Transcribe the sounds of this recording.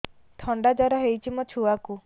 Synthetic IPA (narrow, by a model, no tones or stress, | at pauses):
t̪ʰɔɳɖad͡ʒaɾaɦejt͡ʃʰimɔt͡ʃʰuaku